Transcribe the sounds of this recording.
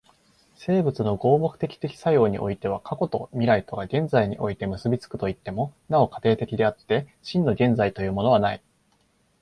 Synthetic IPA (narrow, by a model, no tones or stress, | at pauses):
se̞ːbɯ̟t͡sɨno̞ɡo̞ːbo̞kɯ̥t̪e̞kʲi̥t̪e̞kʲi̥sajo̞ːɲ̟ḭʔo̞̰it̪e̞β̞akako̞t̪o̞̰mʲiɾait̪o̞ɡaɡẽ̞nd͡zaiɲ̟iʔo̞it̪e̞mɯ̟sɨbʲit͡sɨ̥kɯ̟̥t̪o̞it̪ːe̞mo̞nao̞kḁt̪e̞ːt̪e̞kʲid̪e̞at̪ːe̞ɕĩnːo̞ɡʲẽ̞nd͡zait̪o̞jɯ̟ːmo̞no̞β̞anai